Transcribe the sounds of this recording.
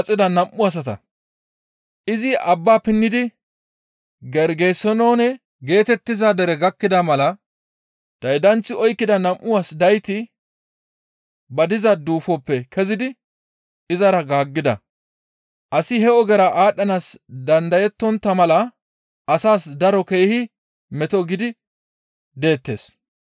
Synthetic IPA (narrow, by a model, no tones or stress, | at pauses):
t͡sʼːɪd̪ɐnɐmʔːʊɐs̬ɐt̪ɐ̰ | ʔɪzɪɐbːaːpɪnːɪd̪ɪ | ɡɛɾɡesːɔnoːnɛ | ɡe̞ːt̪ɛt̪ːɪzaːd̪ɛɾɛɡɐkːɪd̪ɐmɐlɐ | d̪̥ɐjd̪ɐnt͡sːɪɔjkːɪd̪ɐnɐmʔːʊwaːsd̪ɐjt̪ɪ | bɐd̪ɪzɐd̪uːfɔpːɛkʰɛzɪd̪ɪ | ɪzɐɾɐɡaːɡːɪd̪ɐ | ʔɐsɪhɛɔɡɛɾɐʔaːɗːɐnaːsd̪ɐnd̪ɐjɛt̪ːɔnt̪ːɐmɐlɐ | ʔɐsaːsd̪ɐɾɔke̞ːhɪ | mɛt̪ɔɡɪd̪ɪ | d̪e̞ːt̪ːe̞̰ːs